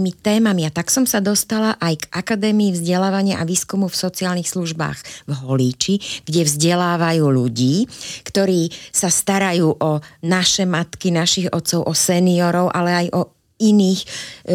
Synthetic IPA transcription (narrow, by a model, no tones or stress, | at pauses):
mit̪ɛːmamiat̪aksɔmsad̪ɔst̪alaʔajɡʔakad̪ɛːmiivzɟɛlaːʋaɲɪaʔaʋiːskumufsɔt͡siaːlnixsluʒba̰ːɣvɦɔliːt͡ʃiɡ̥ɟɛvzɟɛlaːʋajuːʎuɟiːkt̪ɔɾiːsast̪aɾajuːʔɔnaʃɛmat̪kinaʃiɣɔ̰t̪sɔʊʔɔsɛniɔɾɔʊʔalɛajʔɔ | iniːx